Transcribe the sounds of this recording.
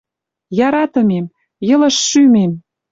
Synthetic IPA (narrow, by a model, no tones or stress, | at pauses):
jɑɾɑt̪ə̆mem | jɤ̆lə̆ʃːymem